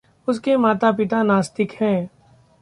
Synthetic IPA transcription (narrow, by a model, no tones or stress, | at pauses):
ʊskemaːt̪ap̬ɪt̪anaːst̪ɪkhɛ̃ː